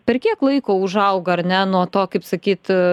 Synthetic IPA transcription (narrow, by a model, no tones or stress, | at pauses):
pʲɛrkʲiɛklˠɐɪkoːʊʒɐʊɡɐɾʲnʲɛnuɔt̪oːkɐɪpsɐkʲiːt̪